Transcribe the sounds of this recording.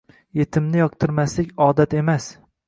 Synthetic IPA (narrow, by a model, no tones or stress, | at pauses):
je̞t̪ʰɪmnɪjɒq̚t̪ʰɨɾmaslɪkʲɒːd̪at̪emas